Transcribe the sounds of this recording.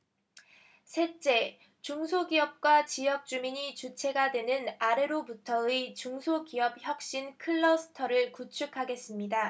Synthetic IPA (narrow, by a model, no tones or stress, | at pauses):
sʰe̞t͡ɕ͈e̞ | t͡ɕuŋsʰoɡiʌp̚k͈wat͡ɕijʌk̚t͡ɕ͈umiɲit͡ɕut͡ɕʰe̞ɡadwe̞nɯnaɾe̞ɾobutʰʌɯit͡ɕuŋsʰokiʌb̚çjʌk̚ɕ͈inkʰɯɭːʌsʰɯ̥tʰʌɾɯɭkut͡ɕʰukʰaɡe̞s͈ɯmɲida